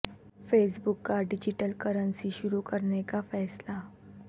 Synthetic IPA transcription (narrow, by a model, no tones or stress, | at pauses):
feːsbukːaɖid͡ʑiʈəlkəɾənsiɕʊɾukəɾnekafɛːsla